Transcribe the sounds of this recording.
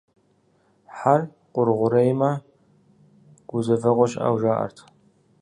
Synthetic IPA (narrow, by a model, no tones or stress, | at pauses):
ħar | qʷʼʊrʁʷʊɾɐjma | ɡ̥ʷʊzɐvɐʁʷɔʃʼa̰wʒaːʔɐ̰rtʰ